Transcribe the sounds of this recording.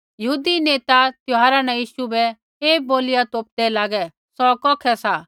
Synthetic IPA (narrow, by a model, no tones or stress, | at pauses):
jɐɦuːd̪ineːt̪at̪jʊɦaːɾanɛ̃jiːʃubɛ | eːboːlɪjat̪oːp̚d̪ɛlaːɡɛ | sɔkɔːkʰɛsa